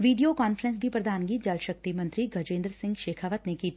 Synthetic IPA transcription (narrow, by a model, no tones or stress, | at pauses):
ʋiːɖijokaːnfɾə̃ns̬bʱipɾɐd̪ʱaːnɡiːt̪d͡ʒɐlʃɐk̚t̪imɐ̃nt̪ɾiɡʱɐd͡ʒẽːnd̪ɾsɪ̃ŋɡʃeːkʰaːʋət̪nekiː